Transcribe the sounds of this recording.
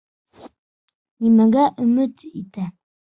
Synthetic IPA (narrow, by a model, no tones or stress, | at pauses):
nimæɡæʔɵmɵt̪it̪æ